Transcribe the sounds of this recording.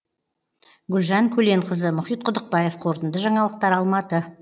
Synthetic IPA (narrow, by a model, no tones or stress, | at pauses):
ɡʲʏlʒɑŋkʲʰɵle̞ɴqʰəzəmʊχit̪̚qʰʊd̪əq̚bɑje̞fqʰo̞ɾt̪ənd̪əʒɑɴɑlˠəq̚t̪ɑɾɑlˠmɑt̪ə